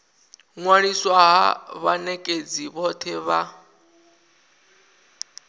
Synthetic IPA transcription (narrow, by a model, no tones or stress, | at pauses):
ŋwaɺiswaɦa̰βanɛkʼed͡ziβɔt̪ʰɛβa